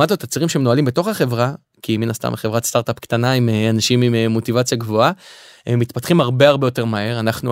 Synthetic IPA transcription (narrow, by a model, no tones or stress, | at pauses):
at̪ot̪at͡siʁimʃeenoalimbeto̞χaχe̞vʁa | kiminast̪a̰meχevʁat̪st̪aʁt̪apktanaimeanaʃimimemo̞tivat͡sjaɡvoaemːit̪patχimhaʁbe̞aʁbe̞jo̞te̞ʁmae̞ʁanaχnu